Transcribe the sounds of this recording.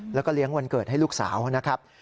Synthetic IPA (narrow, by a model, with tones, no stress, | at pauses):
lɛː˦˥wkɔ˥˩li˦˥əŋwa˧nkɤː˨˩ha˥˩jluː˥˩k̚sa̰ː˩˦wna˦˥kʰa˦˥p̚